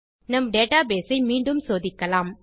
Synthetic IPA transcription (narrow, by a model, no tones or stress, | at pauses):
nɐmɖeːʈaːbeːsɐɪmiːɳɖɯmsoːðɪkːɐlaːm